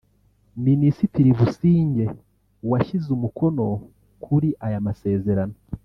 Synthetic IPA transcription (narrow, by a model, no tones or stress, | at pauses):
minisitiɾiβusiːɲɟe̞ | waʃizumukʰo̞no̞ | kʰuɾiʔajamase̞ːze̞ɾano̞